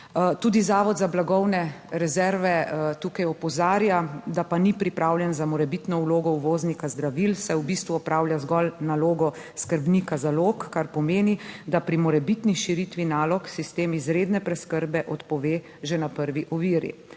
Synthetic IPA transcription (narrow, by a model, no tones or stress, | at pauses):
t̪uːd̪izaːʋɔd̪zablaɡɔwnɛɾɛzɛɾʋɛt̪uːkajɔpɔzaːɾjad̪apanipɾipɾawljɛnzamɔɾɛbit̪nɔuloːɡɔuʋoːznikazd̪ɾaʋilsɛwbist̪ʋuɔpɾʔaːwljazɡɔlnaloːɡɔ | skəɾbnikazaloːkːaɾpɔmeːnid̪apɾimɔɾɛbit̪niʃiɾit̪ʋinaːlɔksist̪eːmizɾeːd̪nɛpɾɛskəɾbɛʔɔt̪pɔʋeː | ʒɛnapəɾʋiʔɔʋiːɾḭ